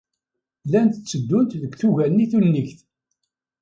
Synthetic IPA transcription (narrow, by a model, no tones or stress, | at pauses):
lænt̪t͡sːəd̪ːʊnt̪ðəkθuʝælniθunnːiçθ